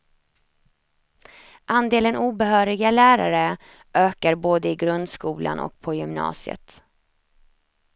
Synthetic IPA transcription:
ʔand̪eːlənuːbɛɦœːɾɪɡalæːɾa̰ɾə | ʔøːkaɾboːd̪əɪɡɾɵnd̪skuːlʔa̰nʔɔ̰k̚pʰɔjʏmnɑ̰ːsɪə̰t̪

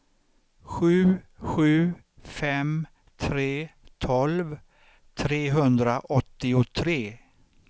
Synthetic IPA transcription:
ɧʉ̟ːɧʉ̟ː | fɛm | t̪ʰɾeːt̪ʰɔlv | t̪ʰɾeːɦɵnd̪ɾaʔɔt̪ːɪʊt̪ʰɾeː

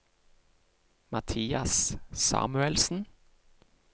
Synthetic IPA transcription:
mɑt̪ʰiːɑssɑ̰ːmʉɛlsn̩

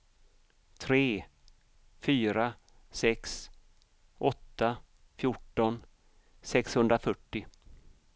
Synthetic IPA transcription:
t̪ʰɾeː | fyːɾa | sɛks | ʔɔt̪ːa | fjʊʈːɔn | sɛkshɵnd̪ɾafœʈːɪ

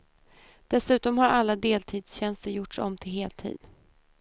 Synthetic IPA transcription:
d̪̥ɛsʉ̟ːt̪ɔmhaɾalːad̪eːlt̪ʰiːd̪sɕɛnst̪əɾjʊʈʂɔ̰mːt̪ʰɪlɦeːlt̪ʰḭːd̪

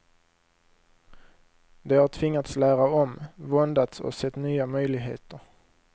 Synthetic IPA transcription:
d̪ɛhaʈʰvɪŋːat̪slæːɾaɔmvɔnd̪at̪sɔ̰sɛt̪ːnyːamœjlɪɡɦḛːt̪əɾ

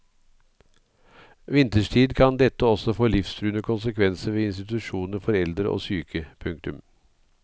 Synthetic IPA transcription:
ʋɪnt̪əʂʈʰiːd̪kʰɑnd̪ɛt̪əɔsɔfoːlɪfst̪ʰɾʉːnəkʰʊnsəkʰʋɛnsəʋeːɪnst̪ɪt̪ʉʃuːnəɾfɔɾɛld̪ɾəʔo̰ːsyːkʰəpʰʉŋk̚t̪ʉm

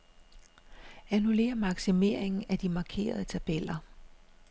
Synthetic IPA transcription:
ænule̝̰ːɐmɑ̈ɡ̥sime̝ɐ̰e̝ŋn̩æd̥imɑ̈ːkʰe̝̰ːɐð̞ˠət͡sʰæb̥el̰ɐ

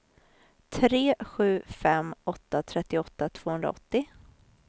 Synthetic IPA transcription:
t̪ʰɾeːɧʉ̟ːfɛmɔt̪ːat̪ʰɾɛt̪ːɪɔt̪ːat̪ʰv̥oːhɵnɾa̰ɔt̪ːɪ

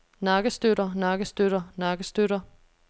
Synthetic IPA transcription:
nɑ̈ːɡ̥əsd̥øɾɐnɑ̈ːɡ̥əsd̥øɾɐnɑ̈ːɡ̥əsd̥øɾɐ

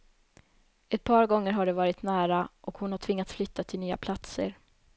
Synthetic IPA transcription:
ɛt̪̚pʰɑːɾɡɔŋːəɾɦaɖɛvɑːɾɪt̪næːɾaʔɔkhʊnhaʈʰv̥ɪŋːat̪sflʏt̪ʰːat̪ʰɪlnyːa̰pʰlat̪sə̰ɾ

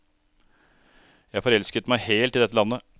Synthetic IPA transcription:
jæfɔɾɛlskət̪mæɪheːlt̪ɪld̪ɛt̪əlɑnːə

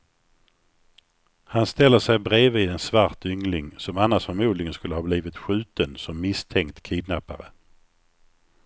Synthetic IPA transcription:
hanst̪ɛlːəʂɛjbɾeːviːd̪ɛnsvaɾʈʏŋlɪŋsɔmanːaʂfœɾmuːd̪lɪɡənskɵlːəhɑːbliːvɪt̪ɧʉ̟ːt̪ənsɔmːɪst̪ʰɛŋkt̪kʰɪːd̪napa̰ɾə̰

